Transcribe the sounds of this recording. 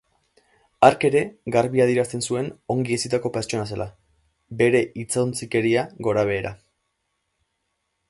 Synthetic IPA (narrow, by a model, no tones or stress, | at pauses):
aɾke̞ɾe̞ɡaɾβiaðieɾast̪e̞nsue̞no̞ŋɡiesit̪ako̞pe̞ɾt͡ʃo̞nas̬e̞la | be̞ɾe̞it͡sant͡sike̞ɾiaɣo̞ɾaβ̞e̞ːɾa